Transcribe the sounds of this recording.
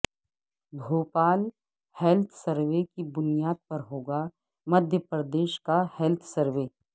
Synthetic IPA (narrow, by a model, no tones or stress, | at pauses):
bʱuːpaːl | hɛlt̪ʰsəɾʋekibʊnijaːd̪̚pɐɾɦoːɡa | mɐd̪ʱjəpɾəd̪eːʃkahɛlt̪ʰsɐɾʋeː